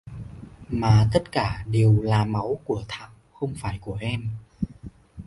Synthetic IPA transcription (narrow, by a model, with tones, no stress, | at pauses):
maː˨˩t̪ə˦˥t̚kaː˧˩ɗe˨˩əwlaː˨˩ma˨˦wku˧˩ət̪ʰa̰ː˧˨wxə˧wŋ͡mfaː˧˩jku˧˩əʔɛ˧m